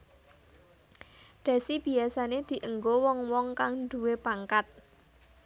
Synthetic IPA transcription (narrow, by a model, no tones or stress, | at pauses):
ɖ̪̥a̤sib̥i̤asaned̪̥i̤ʔəŋɡowɔŋwɔŋkaŋnd̪̥ṳwepaŋkat̪̚